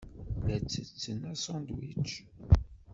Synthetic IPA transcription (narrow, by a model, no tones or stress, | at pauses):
ðæt͡sːət͡sːənːæsɑnd̪wḭt͡ʃː